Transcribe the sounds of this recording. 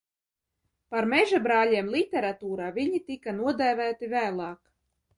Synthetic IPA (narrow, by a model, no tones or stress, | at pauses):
paɾmeʒabɾaːlʲiɛmlˠit̪ʲeɾat̪uːɾaːvʲiɲit̪ikanuɔd̪æːvæːt̪ivæːlˠɑːk